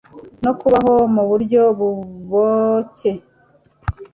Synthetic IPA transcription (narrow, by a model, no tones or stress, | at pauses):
no̞kuβaɦo̞muβuɾɟo̞βuβoce